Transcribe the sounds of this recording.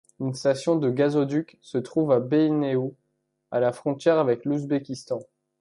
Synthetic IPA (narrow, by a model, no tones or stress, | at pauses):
ynst̪asjɔ̃d̪əɡazod̪yksət̪χuvabeineu | alafχɔ̃t̪jɛʁavɛkluzbekʲist̪ɑ̃